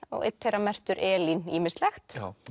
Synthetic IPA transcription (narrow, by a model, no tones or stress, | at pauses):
ɔ̰ɣɪ̰t̪θejɾamɛr̥t̪ʏɾʔɛːliniːmɪst̪lɛxt̪